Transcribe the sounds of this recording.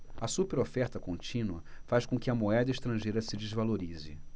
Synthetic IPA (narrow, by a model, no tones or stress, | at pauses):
ɐsupeɾofɛɾt̪ɐkõnt͡ʃĩnuɐfaʃkõkɪɐmoɛd̪ɐiʃt̪ɾɐ̃ʒejɾɐsɪd͡ʒɪzvaloɾizɪ